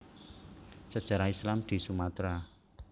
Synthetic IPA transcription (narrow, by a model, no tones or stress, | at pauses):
t͡ʃad̥ʒ̥a̤ɾaislamd̪̥i̤sumat̪ɾa